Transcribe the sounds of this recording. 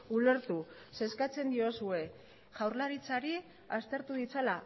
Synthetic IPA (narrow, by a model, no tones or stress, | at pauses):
ule̞ɾt̪u | se̞skat͡se̞nd̪io̞sue̞ | ʝawɾlaɾit͡saɾi | ast̪e̞ɾt̪uð̞it͡sala